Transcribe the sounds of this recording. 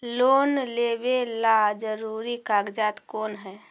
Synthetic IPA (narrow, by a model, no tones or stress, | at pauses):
loːnleːbelad͡ʒəɾuːɾikaːɡd͡ʒaːt̪koːnɦɛː